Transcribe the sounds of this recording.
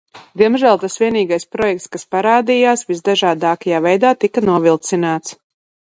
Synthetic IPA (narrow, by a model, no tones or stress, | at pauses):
d̪iɛmʒæːlˠt̪asviɛniːɡajspɾɔjɛk̚t̪skaspaɾaːd̪ijaːsvizd̪aʒaːd̪aːkajaːvɛjd̪aːt̪ikanuɔvilˠt̪sinaːt̪s